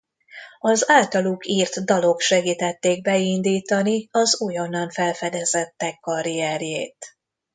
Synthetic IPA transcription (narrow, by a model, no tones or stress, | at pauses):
ɒzaːlt̪ɒlukiːrt̪d̪ɒlo̞kʃɛɡiːt̪ɛt̪ːeːɡ̚bɛind̪iːt̪ɒniɒzujonːɒɱfɛlfɛd̪ɛzɛt̪ːɛkːɒɾiɛɾjeːt̪